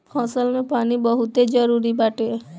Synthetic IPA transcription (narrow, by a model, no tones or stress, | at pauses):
pʰɔsɔlmepanibɔɦut̪ed͡ʒɔɾuɾibaʈe